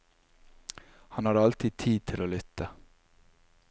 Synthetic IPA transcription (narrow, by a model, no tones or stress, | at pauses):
hɑnhɑːɾɑlt̪ʰɪd̪̚t̪ʰiːd̪̚t̪ʰɪloːlʏt̪ːə